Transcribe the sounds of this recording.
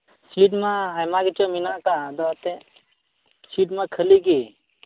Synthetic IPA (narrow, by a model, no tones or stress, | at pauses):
siːʈmãajmãɡit͡ʃominakãd̪ɔt̪ẽ | siːʈmãkʰəliɡi